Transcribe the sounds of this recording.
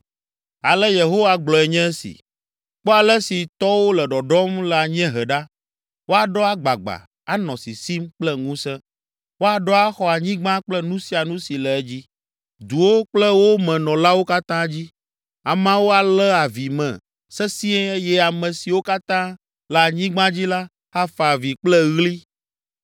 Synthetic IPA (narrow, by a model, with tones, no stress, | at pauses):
a˨lɛ˦je˨ɦo˦wa˦ɡ͡blɔ˨ɛ˨ɲɛ̃˦ɛ˦sḭ˨ | k͡po˦a˨lɛ˦si˨t̪ɔ˦wo˦lɛ˨ɖɔ˨ɖɔ˦mlɛ˨a˨ɲɛ̃˦ɦɛ˨ɖa˦ | wo˦a˨ɖɔ˦a˦ɡ͡ba˨ɡ͡ba̰˨ | a˨nɔ̃˨si˨si˦mk͡plɛ˦ŋũ˦sɛ̃˦ | wo˦a˨ɖɔ˦a˦xɔ˦a˨ɲĩ˦ɡ͡bã˦k͡plɛ˦nũ˦si˦a˨nũ˦si˨lɛ˨ɛ˦d͡ʑi˦ | d̪u˨wo˦k͡plɛ˦wo˦mɛ̃˨nɔ̃˨la˦wo˦ka˦t̪ã˦d͡ʑi˦ | a˨mã˦wo˦a˨lɛ˦a˨vi˨mɛ̰̃˨ | sɛ˦si˦ɛ˦e˦jɛ˦a˨mɛ̃˨si˨wo˦ka˦t̪ã˦ | lɛ˨a˨ɲĩ˦ɡ͡bã˦d͡ʑi˦la˦ | a˦fa˨vi˨k͡plɛ˦ɣli˦